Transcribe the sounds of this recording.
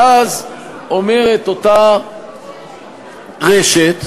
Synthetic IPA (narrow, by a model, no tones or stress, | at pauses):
az | o̞me̞ʁe̞t̪o̞ta | ʁeʃet̪